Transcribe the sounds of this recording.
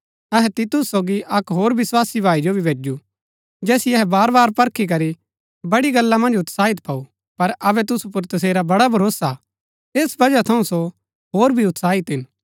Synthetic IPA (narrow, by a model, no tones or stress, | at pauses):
ɐɦɛt̪ɪt̪ʊsːoːɡiʔɐkɦoːɾbɪswaːsibʱaːid͡ʒobʱibʱeːd͡ʒu | d͡ʒɛːsiɐɦɛbaːɾbaːɾpɐɾkʰik̬ɐɾi | bɐɽiɡɐlːamɐ̃nd͡ʒʊt̪saːɪt̪̚pʰaːu | pɐɾɐbɛt̪̬ʊsup̬ʊɾt̪ɐs̬eːɾabɐɽabʱɐɾoːsa | t̪eːsbɐd͡ʒat̪ʰɐũso | ɦoːɾbʱiʊt̪saːɪt̪ɦɪn